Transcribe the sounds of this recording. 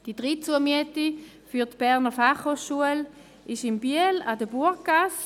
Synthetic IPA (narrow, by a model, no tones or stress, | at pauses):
d̥idʁit͡suəɐmyəti | fyɐtb̥ɛʁnəfaχhoːχʃuəl | ʔɪʃɪmbiəladəbuɐkɡ̥as